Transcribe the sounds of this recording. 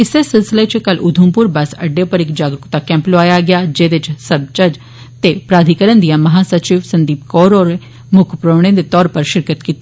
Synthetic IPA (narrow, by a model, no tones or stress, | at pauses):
ɪsesɪlsɪlet͡ʃʰkɐlʔʊd̪ʱumpʊɾbɐsɐ̰ɖːepɐɾekd͡ʒaːɡɾʊkt̪akɛ̃ːmploaːjaɡɐjad͡ʒeːd̪et͡ʃʰsɐb̚t͡ʃɐd͡ʒ | t̪epɾaːd̪ʱikəɾənd̪ijamɐɦasɐt͡ʃiːʋsɐ̃nd̪iːp̚kɔːɾɔːɾ | mʊkʰpɾoːɽ̃ẽd̪et̪ɔːɾpɐɾʃɪɾkət̪kiːt̪ː